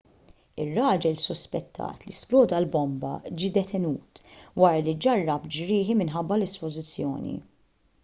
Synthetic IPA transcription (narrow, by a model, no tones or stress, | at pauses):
ɪrːɐːd͡ʒɛlsʊspɛt̪ʰːɐ̰ːt̪lisplɔːd̪ɐlbɔmbɐ̰d͡ʒid̪ɛt̪ɛnuːt̪wɐːɾɐlid͡ʒɐrːɐpd͡ʒɾɪːħimɪnħɐbːɐlɛspɔzɪt͡sːjɔ̰ːnḭ